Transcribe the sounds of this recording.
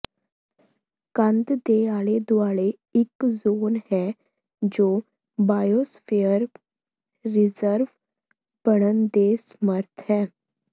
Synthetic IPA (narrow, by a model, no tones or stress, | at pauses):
kə̃nd̪d̪eaːɭed̪ʊʋaːɭe | ɪkzoːnɦɛ | d͡ʑoː | baːjosfejəɾː | ɪzəɾʋ | b̥əɽ̃ənd̪esməɾt̪ʰɦɛː